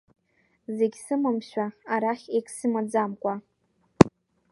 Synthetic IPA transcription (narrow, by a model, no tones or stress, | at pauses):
ze̞ɡʲsɨmamʃʷᶣaaɾaχʲekʼʰsɨmad͡zamkʷʼa